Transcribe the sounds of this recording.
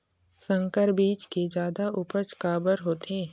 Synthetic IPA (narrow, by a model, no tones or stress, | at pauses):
sə̃ŋkəɾbiːt͡ʃked͡ʒjaːd̪aʔʊpət͡ʃkaːbəɾɦoːt̪ʰeː